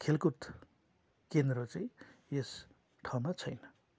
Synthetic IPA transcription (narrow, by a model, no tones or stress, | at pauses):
kʰelkut̪ | kend̪ɾʌt͡saĩes | ʈʰaw̃mat͡sʰʌjnʌ